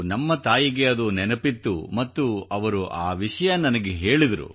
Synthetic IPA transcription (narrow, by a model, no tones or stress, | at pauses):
nɐmːɐt̪aːjiɡe̞ɐd̪unɛnɐpit̪ːumɐt̪ːuɐʋɐɾuʔaːʋiʂɐjɐnɐnɐɡeɦe̞ːɭid̪ɐɾṵ